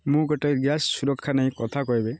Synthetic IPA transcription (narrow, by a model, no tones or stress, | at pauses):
mũɡɔʈaɡjasːuɾɔkʰːanaj̃kɔt̪ʰakɔɦibɛ